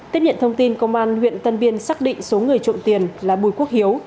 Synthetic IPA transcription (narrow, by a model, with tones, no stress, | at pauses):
t̪əp̚ɲə̰˧˨nt̪ʰə˧wŋ͡mt̪i˧nkə˧wŋ͡mʔaː˧nhwḭ˧˨ənt̪ə˧nɓi˧ənsaː˦˥k̚ɗḭ˧˨ŋ̟so˨˦ŋɨ˨˩əjt͡ɕʊ̰˧˨ŋ͡mt̪i˨˩ənlaː˨˩ɓu˨˩jku˦˥ək̚hi˨˦əw